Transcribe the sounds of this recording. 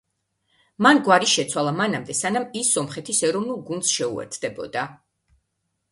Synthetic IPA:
manɡwaɾiʃɛt̪sʰwalˠamanamd̪ɛsanamisːɔmχɛt̪ʰisɛɾɔvnulˠɡund̪sʃɛṵɛ̰ɾt̪ʰd̪ɛbɔ̰d̪a

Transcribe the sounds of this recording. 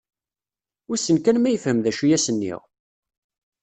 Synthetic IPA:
æsənkænmæjəfhəmðæʃijæsənːḭʁ

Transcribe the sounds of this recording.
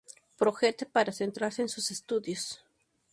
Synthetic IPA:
pɾoxet̪epaɾasent̪ɾaɾseːnsusest̪uðjos

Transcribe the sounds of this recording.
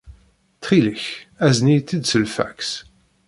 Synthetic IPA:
θχiləçæznijt̪ːid̪səlfæ̰ks

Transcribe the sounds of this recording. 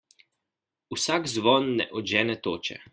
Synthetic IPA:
usaɡzʋɔːnːɛ̰ʔɔʒɛːnɛt̪oːt͡ʃɛ̰

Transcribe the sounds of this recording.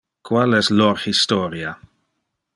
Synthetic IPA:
kwalɛsloɾhist̪oɾja

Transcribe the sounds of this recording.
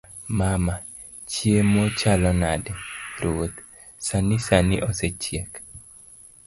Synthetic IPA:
mama | t͡ʃjemɔt͡ʃalɔnadɛɾuot̪ | sanɪsanɪʔɔset͡ʃjek

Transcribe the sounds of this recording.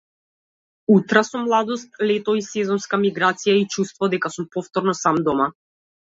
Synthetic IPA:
ut̪ɾasumːlˠad̪ɔst̪̚lɛt̪ɔisɛzɔnskamiɡɾat̪sijait͡ʃust̪vɔd̪ɛkasumpɔft̪ɔɾnɔsamd̪ɔma

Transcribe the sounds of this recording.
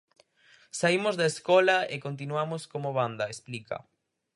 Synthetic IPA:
saimozðaeskɔlɐekont̪̬inwamoskomoβand̪ɐesplikɐ̰

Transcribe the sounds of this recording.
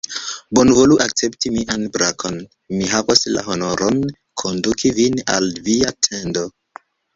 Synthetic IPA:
bo̞nvo̞luʔak̚t͡se̞ptimiʔanbɾakʰo̞n | miɦavasla̰ɦo̞no̞ɾon | kʰo̞ndukʰivina̰lviatʰendo̞

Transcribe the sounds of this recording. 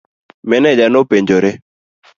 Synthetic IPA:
mɛnɛd͡ʒanopeɲd͡ʒoɾɪ

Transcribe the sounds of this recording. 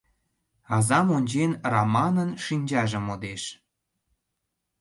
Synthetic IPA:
ɑzɑmonʲt͡ɕenrɑmɑnənʃinʲd͡ʑɑʒə̆mod̪eʃ

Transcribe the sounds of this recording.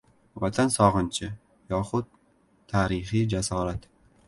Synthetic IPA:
vat̪ʰansɒʁɨnt͡ʃʰɪ | jɒχʊd̪̚ʰː | aːɾɪχijd͡ʒasɒːɾat̪

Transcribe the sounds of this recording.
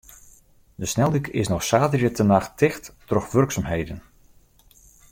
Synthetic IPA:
dəsnɛlˠdykɪ̰snɔxsaːdərjətʰənaxtɪxtːrɔxʋɵrksaːmɦejdən

